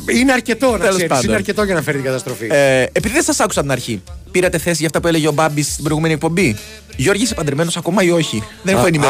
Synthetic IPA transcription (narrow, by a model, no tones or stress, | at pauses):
ineɐɾce̞t̪o̞nɐeospɐnsineɐɾcet̪oʝɐnɐfe̞ɾit̪iŋɡɐt̪ɐst̪ɾofiepiðiðesɐsɐku̥sɐt̪inɐɾçipiɾɐt̪e̞θe̞sizʝɐft̪ɐpuele̞ʝeo̞bɐbist̪ibɾoiɣumeniek̚po̞mbi | ʝo̞ɾʝisipɐnd̪ɾeme̞no̞sɐko̞mɐio̞çiðenexoenime